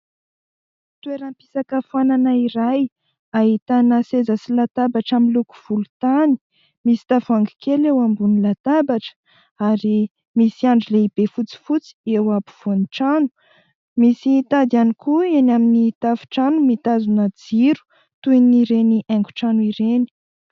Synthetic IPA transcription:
t̪ueɾampi̥sakəfananaiɾaj | aɦit̪anasezasilat̪abaʈ͡ʂamiluku̥v̥ulut̪ani̥ | misi̥t̪avuaŋɡi̥kʰelewambunilat̪abaʈ͡ʂə̥ | aɾi | misiaɳɖ͡ʐileib̥efut͡si̥fut͡si̥ewapu̥v̥oniʈ͡ʂanu̥ | misit̪ad̪ianikʰuenaminit̪avu̥ʈ͡ʂanumit̪azunad͡ziɾu̥ | t̪uiniɾeniʔɛŋku̥ʈ͡ʂanuiɾeni̥

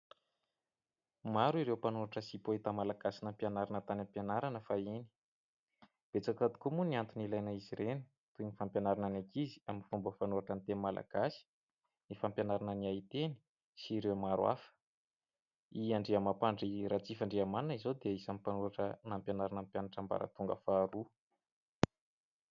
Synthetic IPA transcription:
maɾuiɾewpanuaʈ͡ʂəsipoit̪amalaɡasinampjanaɾanət̪anampjanaɾanəfaini̥ | b̥et͡sakat̪u̥kumuniant̪unilajnəiziɾeni̥ | t̪unifampjanaɾananakʰizi̥aminfumbəfanuaʈ͡ʂant̪enmala̰ɡ̥asi̥ | nifampjanaɾanəniait̪eni̥ | siɾewamaɾwa̰fə̥ | iaɳɖ͡ʐeamapaɳɖ͡ʐirat͡sifaɳɖ͡ʐeamannizod̪eisamipanuɾaʈ͡ʂənampjanaɾanampjanaʈ͡ʂamba̰ɾa̰t̪uŋɡə̰faːɾu

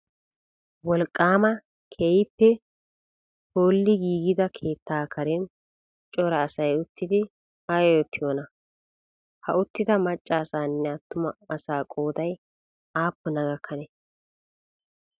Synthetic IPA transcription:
wɔlkʼːaːmɐ | kʰejpːɛ | hoːlːɪɡiːɡɪd̪ɐkʰe̞ːt̪ːaːkʰɐɾɛn | t͡ʃʼɔɾɐːsɐjʊt̪ːɪd̪ɪ | ajɔjɔt̪ʰːɪjoːnɐ | hɐʊt̪ːɪd̪ɐmɐt͡ʃʼːaːsaːnːɛɐt̪ːʊmɐɐsaːkʼo̞ːd̪ɐj | aːpːʊnɐɡɐkʰːɐnɛ

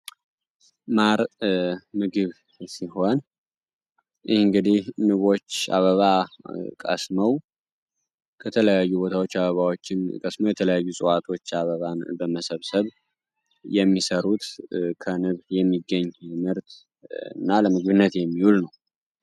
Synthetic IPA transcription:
maɾ | mɨɡɨβ | siho̞n | jʔɪhɨŋɡɨd̪ihnɨβo̞t͡ʃːa̰βəβakʼə̰sməw | kʰət̪ʰələjajːubot̪ʰawo̞t͡ʃːaβəβawo̞t͡ʃːɪnkʼəsməwjɛt̪ʰələjajːusʼɨwat̪ʰo̞t͡ʃːaβəβanbəməsəβsəβ | jɛmːisəɾut̪kʰənɨβjɛmːiɡːəɲːmɨɾt̪ | ɨ̰nːaləmɨɡβɨnːət̪jɛmːihulnəw

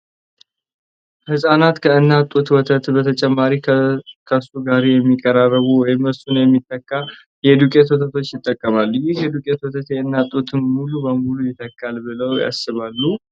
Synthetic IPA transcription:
hɨsʼanat̪kʰəɨnːat̪ʼːut̪wɔt̪ʰət̪bət̪ʰət͡ʃʼɛmːaɾikʰəsuɡaɾejɛmːikʼːəɾarəβuwɔjɪməsunjɛmːit̪ʼːəkʼːa | jɛd̪ukʼet̪wɔt̪ʰət̪ʰo̞t͡ʃːjɪt̪ʼːəkʼːəmalːujɪhjɛd̪ukʼet̪wɔt̪ʰət̪jɛɨnːat̪ʼut̪ʰɨnmulubəmulujɪt̪ʰːəkːalbɨləwja̰sːɨβalːu

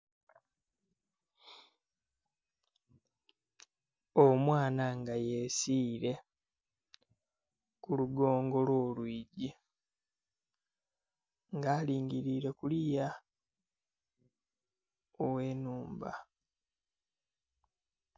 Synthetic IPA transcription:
omwaːnaŋɡajesiːɾe̞ | kuluɡo̞ːŋɡo̞lwoːlwiːɟi | ŋɡaːliːŋɡiɾiːɾe̞kulija | owe̞ːnuːmba̰

